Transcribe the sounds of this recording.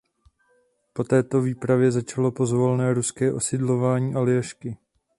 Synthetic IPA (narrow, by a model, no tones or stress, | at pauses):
po̞t̪ɛːt̪o̞viːpɾavjɛzat͡ʃalo̞po̞zvo̞lnɛːɾuskɛːʔo̞sɪdlo̞vaːɲiːʔalɪjaʃkɪ